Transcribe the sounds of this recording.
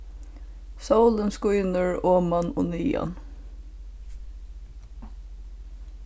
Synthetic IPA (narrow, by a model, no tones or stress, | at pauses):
sawlənskujnəɹɔːmanɔ̰niːa̰n